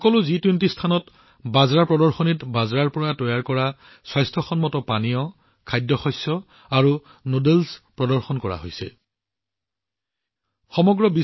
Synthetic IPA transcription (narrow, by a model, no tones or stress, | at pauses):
ɔkɔlʊzitwintistʰanɔt | bazɹapɹɔdɔɹxɔnitbazɹaɹpɔɹatɔjaɹkɔɹa | swajstʰɔxɔnmɔtɔpanijɔ | kʰajdjɔxɔjsɔ | aɹu | nodelspɹɔdɔɹxɔnkɔɹa̰ɦo̰jsɛ̰ | xɔmɔɡɹɔbi